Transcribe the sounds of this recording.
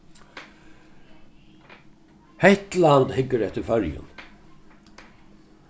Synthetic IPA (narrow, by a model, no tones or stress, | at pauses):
hɛht̪lant̪hɪkːəɾɛht̪əɾfœɾjʊ̰n